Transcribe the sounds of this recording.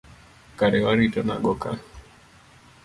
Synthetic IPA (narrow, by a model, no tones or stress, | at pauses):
kaɾɛwaɾitɔna̰ɡɔka̰